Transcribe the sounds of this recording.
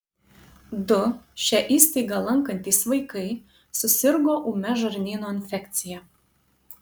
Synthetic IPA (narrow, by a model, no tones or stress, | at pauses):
d̪ʊʃʲɛʔiːsʲt̪ʲiɪɡɐlˠɐŋkɐnʲt̪ʲiːsʋɐɪkɐɪ | sʊsʲɪɾɡoːʔuːmʲɛʒɐɾʲnʲiːnoːɪnʲfʲɛkʲt̪sʲɪjɛ